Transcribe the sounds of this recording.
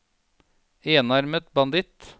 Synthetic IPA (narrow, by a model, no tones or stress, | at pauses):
eːnɑɾmət̪bɑnd̪ɪt̪